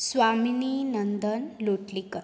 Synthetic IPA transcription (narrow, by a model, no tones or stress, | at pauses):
sʋamininənd̪ʱənloʈlikə